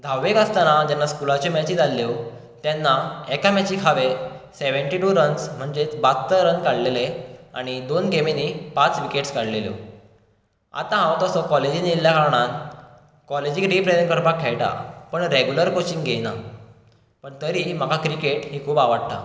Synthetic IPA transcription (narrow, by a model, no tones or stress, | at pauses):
d̪ʱawʋekəst̪anad͡ʑanːaskulat͡ɕɔmat͡ɕit̪alːew | t̪janːaɛkamat͡ɕiːkʰaʋeseʋəɳʈiʈuɾənsm̤əɳd͡ʑet͡sbat͡s̪ːəɾənkaɽlelea̰ɽ̃id̪onɡemenipat͡sʋikeʈskaɽleljo̰ | a̰t̪ãɦãwt̪ɔsɔkɔled͡ʑinilːjakaɾɳ̃an | kɔled͡ʑiːɾipɾeɾəŋkəɾpakʰːɛɭʈa̰pəɳɾeɡjuləɾkot͡ɕiŋɡɡena | pəɳt̪əɾiːm̤akakɾikeʈɦikʰuːpaʋaɽt̪a̰